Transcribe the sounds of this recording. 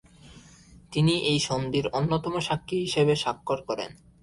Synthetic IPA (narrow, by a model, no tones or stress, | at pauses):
t̪iniʔejʃond̪iɾonːot̪ɔmoʃakʰːiɦiʃebeʃakːoɾkɔɾḛn